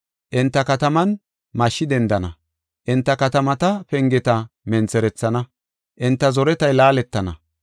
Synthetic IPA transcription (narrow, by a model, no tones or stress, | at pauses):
ʔɪnt̪ːɐkɐt̪ɐmɐn | mɐʃːɪd̪ɛnd̪ɐnɐ̰ | ʔɪnt̪ːɐkɐt̪ɐmɐt̪ɐpɛŋɡɛt̪ɐmɛnt͡sɛɾɛt͡sːɐnɐ | ʔɪnt̪ːɐzɔɾɛt̪ɐjlaːlɛt̪ːɐnɐ̰